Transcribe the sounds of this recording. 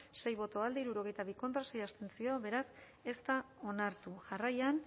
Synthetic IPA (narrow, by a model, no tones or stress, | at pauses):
se̞jβo̞t̪o̞ald̪eiɾuɾo̞ɣ̞e̞jt̪aβ̞iko̞nt̪ɾase̞jast̪e̞nt͡sio̞βe̞ɾas | e̞st̪ao̞naɾt̪uʝarajan